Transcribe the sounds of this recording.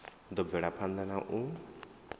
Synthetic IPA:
d̪ɔbɛɽapʰand̪anaʔũ

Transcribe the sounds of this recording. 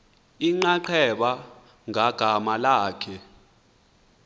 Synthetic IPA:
iŋ͡ǃaǃʰɛɓa | ŋaɡ̥ʱamalaːkʰɛ

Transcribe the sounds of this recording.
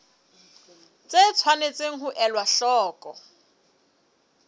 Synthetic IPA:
t͡sʼet͡sʰwanet͡sʼeŋ̩ɦʊʔɛlwaɬɔːkʼɔ

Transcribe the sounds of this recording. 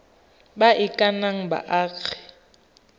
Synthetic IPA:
baʔɪkʼanaŋ̩ba̰ʔaːk͡xʰɛ̥

